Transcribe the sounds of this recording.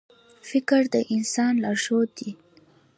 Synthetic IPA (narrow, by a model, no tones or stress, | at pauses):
fɪkɾd̪əʔɪnsɑnlaʒod̪i